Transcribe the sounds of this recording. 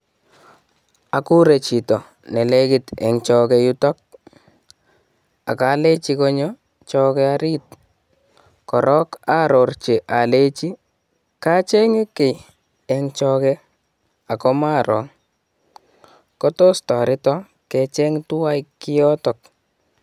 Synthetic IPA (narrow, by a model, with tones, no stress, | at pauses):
a˨ku˦ɾe˨t͡ʃi˨tɔ˨ | nɛ˨le˦kɪ˨tɛ̰˨ŋt͡ʃɔkɛ˨ju˦tɔ˦k̚ | a̰˨ka˨˦le˦t͡ʃi˧kɔ˦ɲɔ˦ | t͡ʃɔ˦kɛ˦a˦ɾi˦t̚ | kɔ˨ɾʔɔ˦ka˦ɾo˨rt͡ʃe˨ʔa˨le˦t͡ʃi˦ | ka˦t͡ʃɛ˦ŋɪ˦kːe˨j | ɛ˨ŋt͡ʃɔ˧kɛ | a˨kɔ˦ma˦ɾɔ̰˨ŋ | kɔ˦to˦stɔ˨ɾɪ˦tɔ˦ | kɛ˨t͡ʃɛ˦ŋtu˦wa˦jkːɪ˦jɔ˦tɔ˨k̚